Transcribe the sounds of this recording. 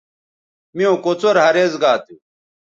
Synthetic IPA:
miõkot͡soɾɦɐɾeːzɡaːt̪u

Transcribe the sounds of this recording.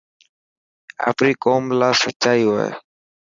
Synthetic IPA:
a̰ːpniːkoːmlaːsətːt͡ʃaːiːɦoːḛː

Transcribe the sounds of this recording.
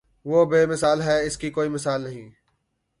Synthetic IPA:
ʋoːbeːmɪsaːlɦɛːɪskiːkoːiːmɪsaːlnəɦĩː

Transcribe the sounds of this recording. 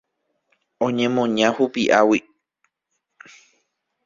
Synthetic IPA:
õɲẽ̞mõɲãhupiʔawi

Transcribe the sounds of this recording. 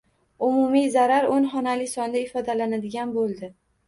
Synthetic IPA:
ʊmʊmijzaɾaɾonχɒnalɪsɒnd̪aɪfɒd̪alanad̪ɪɡʲanbolˠd̪ɪ

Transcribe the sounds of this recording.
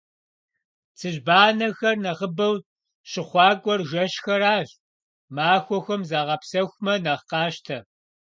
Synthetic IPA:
t͡sʰɨʑbaːnɐxɐrnɐʁəbɐw | ɕɪχʷɑːkʷʼɔrʒɐʃxɐraːɕ | maːxʷɔxʷɐmzaːʁɐpsɐxʷmɐnɐχqɑːʃtʰɐ

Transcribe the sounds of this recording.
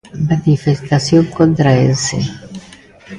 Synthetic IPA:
manifest̪asjoŋkont̪ɾaesḛ

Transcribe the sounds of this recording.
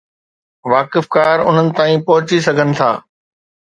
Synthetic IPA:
ʋaːkɪfkaːɾʊ̰n̤ənɪ̆t̪aːĩpɔɦʊt͡ɕisɐɡʱənɪ̆t̪ʰa̰ː

